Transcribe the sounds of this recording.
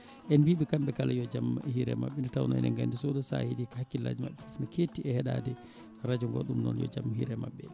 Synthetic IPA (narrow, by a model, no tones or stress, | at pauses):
ʔɛnbiɓɛkamɓɛkalajɔd͡ʒamːhiɾɛ̰ma̰ɓːɛndɛtawnɔjɛnɛ̰ŋɡandisoɗusa̰hidikahakːilːa̰d͡ʒimaɓːɛfufnɔketiɛhɛɗadɛ | ɾad͡ʒuŋɡɔ̰ɗumnɔ̰njɔ̰d͡ʒamːhḭɾɛmaɓːɛ